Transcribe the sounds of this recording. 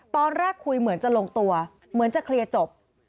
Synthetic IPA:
t̪ɔː˧nɾaː˥˩kʰːu˧jmɯ˩˦ənt͡ɕa˨˩loː˧ŋt̪u˧ɐ | mɯ˩˦ənt͡ɕa˨˩kʰɾi˧ət͡ɕo˨˩p̚

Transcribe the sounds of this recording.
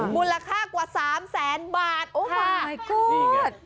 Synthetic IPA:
muː˧˥nla˧kʰaː˥˩kwaː˨˩saː˩˦msɛː˩˦nbaː˨˩t̪̚ʔoː˧˥aː˧a˧˩kʰu˥˩˧t̪̚

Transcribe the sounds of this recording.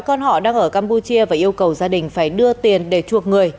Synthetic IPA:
kɔ˧nhɔ̰˧˨ɗaː˧ŋʔəː˧˩kaː˧mpu˧t͡ɕi˧əvaː˨˩ʔi˧əwkə˨˩wzaː˧ɗï˨˩ŋ̟faː˧˩jɗɨ˧ət̪i˨˩ənɗe˧˩t͡ɕu˨˩ək̚ŋɨ˨˩əj

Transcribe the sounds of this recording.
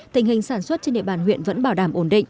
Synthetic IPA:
t̪ï˨˩ŋ̟hï˨˩ŋ̟saː˧˩nswə˦˥t̚t͡ɕe˧nɗḭ˧˨əɓaː˧˩nhwḭ˧˨ənvə̰˧˥nɓaː˧˩wɗaː˧˩mʔo˧˩nɗḭ̈˧˨ŋʔ

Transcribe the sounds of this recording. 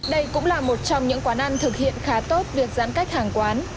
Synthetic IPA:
ɗə˧jkʊ̰˧˥ŋ͡mlaː˨˩mo˨˩t̚t͡ɕɔ˧wŋ͡mɲɨ̰˧˥ŋkwaː˨˦nʔa˧nt̪ʰɨ˨˩k̚hḭ˧˨ənxaː˨˦t̪o˦˥t̚vi˨˩ək̚za̰ː˧˥nka˦˥jk̟̚haː˨˩ŋkwaː˨˦n

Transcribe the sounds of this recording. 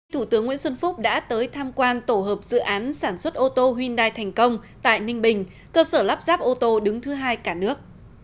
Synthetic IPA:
t̪ʰu˧˩t̪ɨ˨˦əŋwḭ˧˥ənswə˧nfʊ˦˥k͡p̚ɗa̰ː˧˥t̪əː˨˦jt̪ʰaː˧mkwaː˧nt̪o˧˩ɦəː˨˩p̚zɨ̰˧˨ʔaː˨˦nsaː˧˩nswə˦˥t̚ʔo˧t̪o˧ɦwi˧nɗaː˧jt̪ʰɛ˨˩ŋ̟kə˧wŋ͡mt̪a̰ː˧˨jnï˧ŋ̟ɓï˨˩ŋ̟ | kəː˧səː˧˩laː˦˥p̚zaː˦˥p̚ʔo˧t̪o˧ɗɨ˨˦ŋt̪ʰɨ˨˦ɦaː˧jkaː˧˩nɨ˦˥ək̚

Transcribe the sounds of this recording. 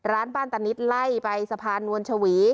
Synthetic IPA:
ɾaː˦˥nbaː˥˩nt̪a˧ni˦˥t̪̚la˥˩jpa˧jsa˧pʰaː˧nːu˧ənt͡ɕʰa˧wiː˩˦

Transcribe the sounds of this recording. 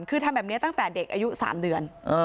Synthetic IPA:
nkʰɯː˧t̪ʰa˧mbɛː˨˩p̚ni˦˥ɐt̪a˥˩ŋt̪ɛː˨˩de˨˩k̚ʔaː˧ju˦˥ʔsa̰ː˩˦mdɯ˨˩ənʔəː˧

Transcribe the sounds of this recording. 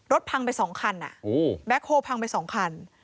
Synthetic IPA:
ɾo˦˥t̪̚pʰa˧ŋpa˧jsɔː˩˦ŋkʰa˧nʔa̰˨˩ʔbɛ˦˥k̚hoː˧pʰa˧ŋpa˧jsɔː˩˦ŋkʰa˧n

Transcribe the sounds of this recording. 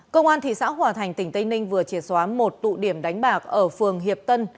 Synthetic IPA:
kə˧wŋ͡mʔaː˧nt̪ʰḭ˧˨sa̰ː˧˥wɦwaː˨˩t̪ʰa˨˩jŋ̟t̪ï˧˩ŋ̟t̪ə˧jŋnï˧ŋ̟vɨ˨˩ət͡ɕi˧˩t̚swaː˨˦mo˨˩t̚t̪ṵ˧˨ɗi˧˩əmɗa˨˦jŋ̟ɓaː˨˩k̚ʔəː˧˩fɨ˨˩əŋɦi˨˩əp̚t̪ə˧n

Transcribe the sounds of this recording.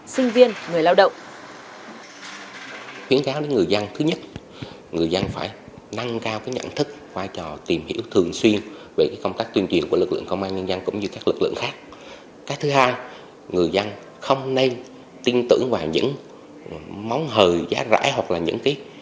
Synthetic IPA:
sï˧ŋ̟vi˧ənŋɨ˨˩əjlaː˧wɗə̰˧˨wŋ͡m | xwi˨˦ənkaː˨˦wɗe˨˦nŋɨ˨˩əjza˧ŋt̪ʰɨ˨˦ɲə˦˥t̚ | ŋɨ˨˩əjza˧ŋfaː˧˩j | na˧ŋkaː˧wkaː˨˦jɲa̰˧˨nt̪ʰɨ˦˥k̚ | vaː˧jt͡ɕɔ˨˩t̪i˨˩mhḭ˧˥wt̪ʰɨ˨˩əŋswi˧ənve˨˩kaː˨˦jkə˧wŋ͡mt̪aː˦˥k̚t̪wənt͡ɕwi˨˩ənku˧˩əlk̚lɨ̰˧˨əŋkə˧wŋ͡mʔaː˧nɲə˧nza˧ŋkʊ̰˧˥ŋ͡mɲɨ˧kaː˦˥k̚lɨ˨˩k̚lɨ̰˧˨ŋxaː˦˥k̚ | kaː˨˦jt̪ʰhaː˧j | ŋɨ˨˩əjza˧ŋ | xə˧wŋ͡mne˧n | t̪i˧nt̪ɨ̰˧˩əŋvaː˨˩wɲɨ̰˧˥ŋ | ma˨˦wŋ͡mɦəː˨˩jza̰ː˨˦za̰ː˧˥jɦwa˨˩k̚laː˨˩ɲɨ̰˧˥ŋkaː˨˦j

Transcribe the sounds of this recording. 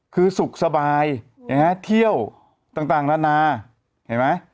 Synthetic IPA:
kʰɯː˧su˨˩k̚sa˧baː˧j | ja˧˩ŋa˦˥t̪ʰi˥˩əw | t̪aː˨˩ŋt̪aː˨˩ŋna˦˥naː˧ | ha˨˩jma˦˥j

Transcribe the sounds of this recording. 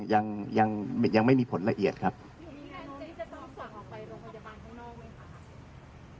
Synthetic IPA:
ja˧ŋja˧ŋm˥˩ja˧ŋma˥˩jmiː˧pʰo˩˦nɾa˧ʔi˨˩ət̪̚kʰa˦˥p̚ː | ɔ˥˩sɔ˨˩pa˧jɾoː˧a˧a˧baː˧nʰː˥˩ɔ˥˩˧

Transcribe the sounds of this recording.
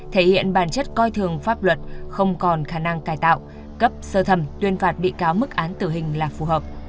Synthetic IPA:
t̪ʰe˧˩hḭ˧˨ənɓaː˧˩nt͡ɕə˦˥t̚kɔ˧jt̪ʰɨ˨˩əŋfaː˦˥p̚lwə˨˩t̚xə˧wŋ͡mkɔ˨˩nxaː˧˩na˧ŋkaː˧˩jt̪a̰ː˧˨w | kə˦˥p̚səː˧t̪ʰə˧˩mt̪wi˧ənfaː˨˩t̚ɓḭ˧˨kaː˨˦wmɨ˦˥k̚ʔaː˨˦nt̪ɨ˧˩ɦï˨˩ŋ̟laː˨˩fu˨˩ɦəː˨˩p̚

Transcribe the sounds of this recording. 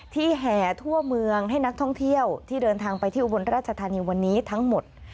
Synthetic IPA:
t̪ʰiː˥˩ɦɛː˨˩t̪ʰu˥˩ɐmɯ˧əŋɦa˥˩jna˦˥k̚t̪ʰɔ˥˩ŋt̪ʰi˥˩əwt̪ʰiː˥˩dɤː˧nt̪ʰaː˧ŋpa˧jt̪ʰiː˥˩ʔu˧bo˧nɾaː˥˩t̪̚t͡ɕʰa˧t̪ʰaː˧niː˧wa˧nːiː˦˥t̪ʰa˦˥ŋmo˨˩t̪̚

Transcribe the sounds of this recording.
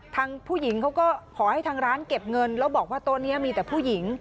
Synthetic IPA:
t̪ʰaː˧ŋpʰuː˥˩ji˩˦ŋkʰa˦˥wkɔː˥˩kʰɔː˩˦ha˥˩jt̪ʰaː˧ŋɾaː˦˥nke˨˩p̚ŋɤ˧nlɛ˦˥wbɔː˨˩k̚waː˥˩t̪o˧nːi˦˥ɐmiː˧t̪ɛː˨˩pʰuː˥˩ji˨˩˦ŋ

